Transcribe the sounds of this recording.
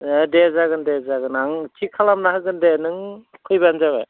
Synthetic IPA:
dezaɡɯndezaɡɯnaŋtʰikʰalamnaɦɯɡɯndenɯŋkʰɯjbanzaβa

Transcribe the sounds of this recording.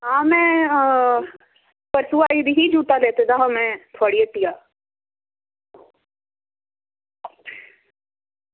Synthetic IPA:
ɦãːmɛ̃ | pɐɾsuaid̪iɦid͡ʒuːʈ̪aleːt̪et̪ʰaɦɐmɛ̃t̪ʰɔːɽiet̪ijaː

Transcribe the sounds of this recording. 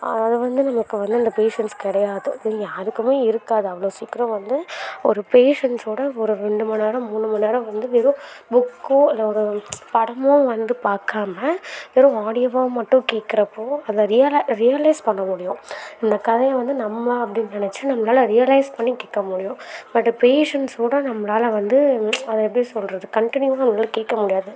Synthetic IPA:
ɐ̰ðɯʋɐnd̪ɯnɐmɐkːɯʋɐnd̪ɯɪnd̪ɐpeːʂɛnskɪɽɐjaːðɯ̰̃jaːɾɯkːɯmeːɪɾɯkːaːðɯɐʋɐɭoːsiːkːɪɾɐ̃ʋɐnd̪ɯɔɾɯpeːʂɛnsoːɽɐɔɾɯɾɛɳɖɯmɐneːɾɐ̃muːɳɯmɐneːɾɐ̃ʋɐnd̪ɯʋɪɾʊ̃bʊkːõɪlːɐɔɾɯpɐɽɐmõʋɐnd̪ɯpaːɾkaːmɐʋɪɾʊ̃aːɽɪjɐʋɐmɐʈːʊ̃keːʈkːɪɾɐpːoːɐðɐɾɪjɐlɐɾɪjɐlɐɪspɐɳːɐmʊɽɪjʊ̃ɪnd̪ɐkɐðɐjɐ̃ʋɐnd̪ɯnɐmːɐɐpːɐɽɪnːnɪnɛt͡ʃːɯnɐmːɐlaːlɐɾɪjɐlɐɪspɐɳːikeːkːɐmʊɽɪjʊ̃bɐʈːɯpeːʂɐnsoːɽɐnɐmːɐlaːlɐʋɐnd̪ɯɐðɐɛp̬ːɽisɔlɾɐðɯkɐɳʈɪnjuʋaːnɐmlaːlɐkeːʈkːɐmʊɽɪjaːðɯ

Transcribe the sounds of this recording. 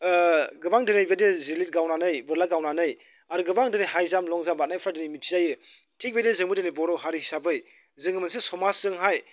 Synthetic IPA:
ɡɯbaŋdɯnɯjbedezilit̚ɡawnanɯjbɯɾlaɡawnanɯj | aɾɯɡɯbaŋdɯnɯjhajzamlɔŋzambat̚najpʰɾadɯnimitʰizajɯ | tʰik̚bejdezɯŋbɯdɯnijbɔɾɔɦaɾihisabɯj | zɯŋɡɯmansesɔmasɯŋɦaj

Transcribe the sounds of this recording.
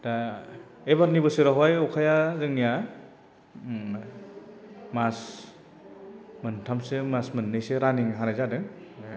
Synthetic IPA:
da | ebaɾnibɯsɯɾaɦwajɔkʰajazɯŋnija | mas | mɯntʰamsɯmasmɯnːɯjsɯɾaniŋɦanajzadɯŋ

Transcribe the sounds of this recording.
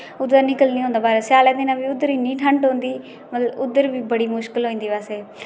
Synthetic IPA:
ʊd̪əɾnɪkəlnĩːɦõːnd̪aːbaːɾesjaːlaːd̪ɪnãːbiːʊd̪ːəɾiːnĩːʈʰəɳʈɦõːnd̪iː | mət̪ləbʊd̪ːəɾbiːbəɽiːmʊʃkəlɦoːĩːnd̪iːbaːseː

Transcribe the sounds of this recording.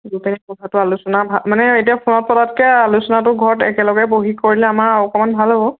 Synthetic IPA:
ɡupenikɔtʰatʊalusɔnabʱamanɛetiapʰonɔt̚pɔdatkɛalusɔnatʊɡʱɔɹtɛ̰kɛlɔɡɛboɦikoɹilɛamaɹɔkɔmanbʱalɦɔbɔ

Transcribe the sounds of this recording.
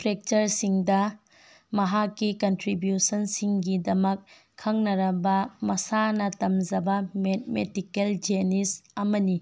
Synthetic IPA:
pʰɾek̚t͡ʃɐɾsiŋdɐ | mɐɦakːikɐntɾibjusɐnsiŋɡidɐmɐkʰː | ɐŋnɐɾɐbɐmɐsanɐtɐmd͡ʒɐbɐmet̚medikeld͡ʒenisɐmɐni

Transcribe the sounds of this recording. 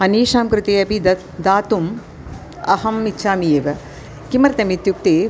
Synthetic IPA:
ɐniːʃaːmkɾɪt̪eːɐbʱid̪ɐ | d̪aːt̪um | ɐhɐmitːʃʰaːmijeːʋɐ | kimɐɾt̪ɐmit̪juk̚t̪eː

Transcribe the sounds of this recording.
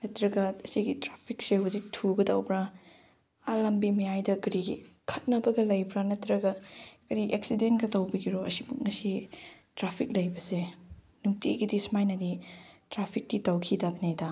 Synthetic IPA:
nɐtɾɐɡɐɐsiɡitɾapʰik̚seɦuzik̚tʰuɡɐdawbɾa | ɐlɐmbimɐjajdɐkɐɾiɡkʰɐt̚nɐbɐɡɐlɐjbɾanɐtɾɐɡɐɡɐɾiʔek̚sidenɡɐtɐwbɐɡiɾoɐ̰sibuŋɐsi | tɾapʰik̚lɐjbɐse | nuŋtiɡidismajnɐditɾapʰik̚titawkʰidabinejda

